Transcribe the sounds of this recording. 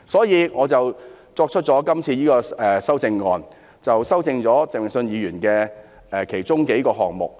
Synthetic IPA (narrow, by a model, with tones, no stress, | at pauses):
sɔː˨˥jiː˨˧ŋɔː˨˧t͡sɐ˨w | t͡sɔː˧k̚t͡ʃʰɵ˥t̚t͡ʃɔː˨˥kɐ˥mt͡sʰiː˧jiː˥kɔː˧ɛː˨˩sɐ˥wt͡sɪ˧ŋːɔː˨n | t͡sɐ˨wsɐ˥wt͡sɪ˧ŋt͡sɔː˨˥t͡sɪ˨mɪ˨ŋsɵ˧njiː˨˧ɥyː˨˩nkɛː˧ | ʔɛː˨˧kʰe˨˩jt͡sʊ˥ŋke˨˥jkɔː˧ɦɔ̰ː˨ŋmʊ̰˨k̚